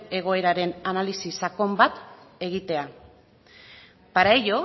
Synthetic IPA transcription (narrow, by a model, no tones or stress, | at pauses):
e̞ɣ̞o̞e̞ɾaɾe̞nanalisisako̞mbat̪ | e̞ɣit̪e̞a | paɾajo̞